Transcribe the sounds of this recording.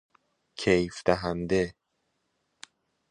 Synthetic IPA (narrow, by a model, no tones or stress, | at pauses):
cʰejfd̪̥æɦænd̪e